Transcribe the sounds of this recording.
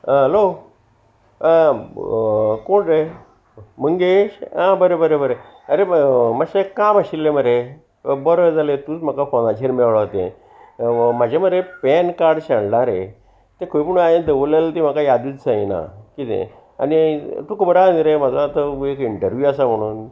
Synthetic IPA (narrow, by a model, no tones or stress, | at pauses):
ɦəlo | koɳɾe | məŋɡeɕãbəɾebəɾebəɾe | əɾeməɕekaməɕilːeməɾe | bɔɾəd͡zalet̪uːt͡smakafonat͡ɕʰeɾmeɭɭət̪ḛ̃ | mad͡ʑaməɾepɛnkaɾɖɕəɳlaɾḛ | t̪ẽkʰoipuɳũajẽd̪əʋolelt̪im̤akajad̪it͡ssãina̰kit̪ḛ̃ | a̰nit̪ukəbəɾand̪iɾemad͡zat̪əekiɳʈəɾʋjuasam̤əɽ̃uːn